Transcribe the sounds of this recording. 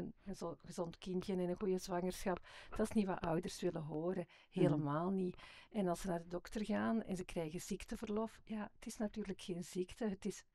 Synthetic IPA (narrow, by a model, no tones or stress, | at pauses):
ənənzɣəzɔntkɪntjənɛnənɣujəzʋɑŋərsxɑp̚d̥ɑsniʋa̰ʔœwdərsʋɪləɦoːɾə | heːləmaːlˠniɛnɑlˠsənaːrdədɔktərɣaːnɛ̰nzəkrɛːɣəz̥iktəvərlɔfjaːətɪsnɑtyːrləkxeːnz̥iktəɦətɪs